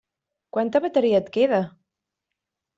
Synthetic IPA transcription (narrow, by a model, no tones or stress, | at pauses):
kwant̪əβət̪əɾiət̪keðə